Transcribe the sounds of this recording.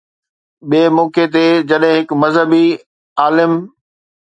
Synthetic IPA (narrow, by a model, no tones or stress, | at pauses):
ɓiːmoːket̪ed͡ʑɐɗɦɪ̃ɦɪkmɐzɦəbi | aːlɪm